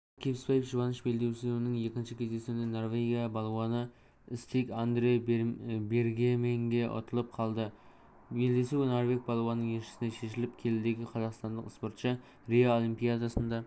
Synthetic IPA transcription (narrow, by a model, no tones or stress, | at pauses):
kʲʰepɪspejɪpʒəbɑnəʃbe̞ld̪e̞wsɪzwɪnɪŋje̞kʲɪnʃɪkʲʰe̞zd̪e̞sunɪno̞rvʲeɡʲijabɑlˠwɑnə | ɪst̪ekʲand̪ɾeobe̞ɾɡʲemeŋɡʲeʔo̰t̪əlˠəp̚qʰɑlˠd̪ə | be̞ld̪e̞suwnoɾve̞k̚bɑlˠowɑnːəŋje̞ʃɪ̥sɪneʃe̞ʃɪlɪp̚kʲʰe̞lɪd̪e̞ɡʲɪqʰɑzɑqst̪ɑnd̪əqɪspo̞ɾt̪ʃə | ɾeaolˠimpijad̪asənd̪ɑ